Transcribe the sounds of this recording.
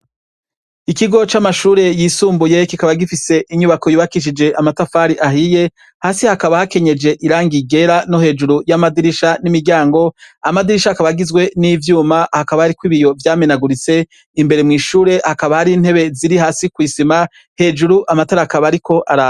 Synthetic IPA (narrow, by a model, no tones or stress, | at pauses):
ikiɡo̞t͡ʃamaʃuːɾe̞jisuːmbuje̞kikaβaɡifise̞ʔiɲuβako̞juβakiʃ̬id͡ʒe̞ʔamatafaːɾiʔaɦije̞ | haːsihakaβahake̞ɲe̞d͡ʒe̞ʔiɾaːŋɡiɡe̞ɾano̞he̞ːd͡ʒuɾujamadiɾiʃanimiɟaːŋɡo̞amadiɾiʃakaβaɡizɡwe̞nivjuːmahakaβahaɾikwiːβijo̞vjaːmenaɡuɾit͡se̞ | imbe̞ɾe̞mŋiːʃuːɾe̞hakaβahaɾin̥he̞βe̞ziɾihaːsikwiːsima | he̞ːd͡ʒuɾuʔamataɾakaβaɾikʰo̞ʔaɾa